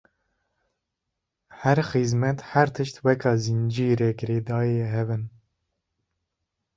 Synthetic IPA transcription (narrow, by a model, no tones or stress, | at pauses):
hɛɾxizmɛt̪hɛɾt̪ʰɨʃt̪wɛkʰɑːzind͡ʒiːɾɛkɾeːd̪ɑːeɦɛvɨn